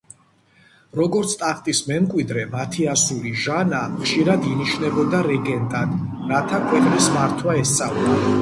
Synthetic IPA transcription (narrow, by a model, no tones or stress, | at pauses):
ɾɔɡɔɾt̪sʰt̪ʼaχt̪ʼismɛmkʼwid̪ɾɛmat̪ʰiasuliʒanaχʃiɾad̪iniʃnɛbɔd̪aɾɛɡɛnt̪ʼad̪ | ɾat̪ʰakʰwɛqʼnismaɾt̪ʰwaɛst̪sʼavlɔ